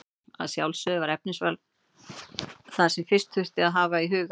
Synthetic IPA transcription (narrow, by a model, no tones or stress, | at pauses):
a̰ðsjawlsœːðʏvaɾɛp̚nɪsval | θaðsɛmfɪr̥st̪θʏr̥t̪ɪaðɦaːvaiɦʏːɣ